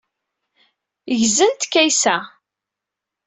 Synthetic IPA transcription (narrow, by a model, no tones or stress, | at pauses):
ʝzənt̪kːæjsæ